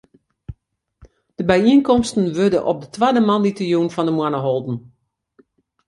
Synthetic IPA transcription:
d̥əbɛjiənkɔmstən̩ʋødəʔɔ̰p̚dətʰwadəmanditəjuːnfɔndəmwanəɦɔlˠdn̩

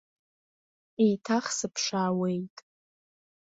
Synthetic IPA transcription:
ejtʰaχsɨpʰʂaːwe̞jtʼ

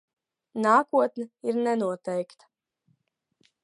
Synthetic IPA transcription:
naːkuɔt̪nɛiɾnɛnuɔt̪ɛjkt̪ḁ

